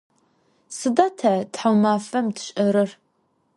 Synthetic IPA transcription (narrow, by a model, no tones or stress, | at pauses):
sɨdatʰɐtħawmaːfɐmtʰɕʼɐɾɨr